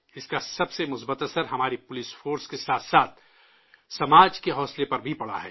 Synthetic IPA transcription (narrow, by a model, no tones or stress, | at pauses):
ɪskasɐbsemʊsbət̪ɐsəɾɦɐmaːɾipʊlɪsfoːɾskesaːt̪ʰsaːt̪̚ʰ | sɐmaːd͡ʒkeɦɔːslepɐɾbʱipɐɽa̰ɦɛ̰ː